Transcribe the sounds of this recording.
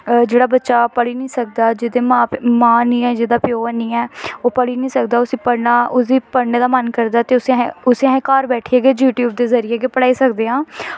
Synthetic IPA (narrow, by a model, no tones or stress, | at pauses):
d͡ʒeːɽaːbətːʃaːpəɽiːnĩːsək̚d̪aːd͡ʒɪd̪eːmaːmãːnĩːɛːd͡ʒɪd̪aːpjoːənĩːɛːoːpəɽiːnĩːsəkd̪aːʊsĩːpəɽnaːʊsiːpəɽneːd̪aːmənkəɾd̪aːt̪eːʊseʊsẽɦẽːkaːɾbɛːʈʰiːeːɡeːd͡ʒjuːʈjuːbd̪eːzəɾɪjeːɡeːpəɽaːiːsəkd̪eːãː